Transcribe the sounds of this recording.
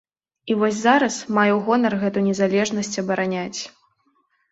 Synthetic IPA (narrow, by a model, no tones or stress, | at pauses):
ivɔsʲzaɾɐsmajɛwɣɔnɐrɣɛt̪ujnʲɛzalʲɛʐnɐsʲt͡sʲɐbɐɾanʲat͡sʲ